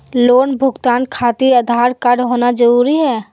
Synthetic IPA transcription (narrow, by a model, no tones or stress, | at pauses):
loːnbʱʊɡt̪aːnkʰaːt̪iɾəd̪ʱaːɾkəɖɦoːnad͡ʒəɾuːɾiɦɛː